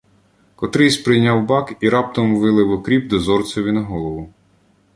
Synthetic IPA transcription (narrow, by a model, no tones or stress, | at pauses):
kɔt̪ɾɪsʲpɾɪjnʲɑwbɑkiɾɑp̚t̪ɔmʋɪlˠɪwɔkɾʲibd̪ɔzɔrt̪sʲɔʋʲinɐɦɔlˠɔʋʊ